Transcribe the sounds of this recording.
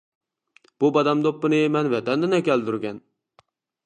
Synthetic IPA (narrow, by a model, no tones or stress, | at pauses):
b̥ubɑd̪ɛmd̪opːɨnɨemɛnvɛd̪ɛnd̪ɪnɛkʲɛld̪yɾɡʲɛn